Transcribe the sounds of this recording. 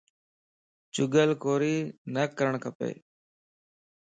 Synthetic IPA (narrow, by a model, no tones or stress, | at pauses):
t͡ʃʊɡəlkoːɾiːnəkəɾəɳkʰəpḛː